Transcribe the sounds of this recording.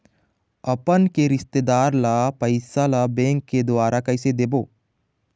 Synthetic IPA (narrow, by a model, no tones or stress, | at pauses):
ɐpənkeɾɪst̪ed̪aːɾlapɐɪsalabẽːŋkːed̪ʊwaːɾakɐɪsed̪eːboː